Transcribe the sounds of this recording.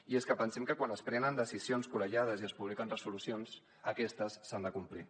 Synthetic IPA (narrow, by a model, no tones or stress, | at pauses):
ieskəpənsɛmkəkwanəspɾɛnənd̪əsizionskuɾəʒað̞əziəspuβlikənrəsulusions | əkɛst̪əsːand̪əkumpli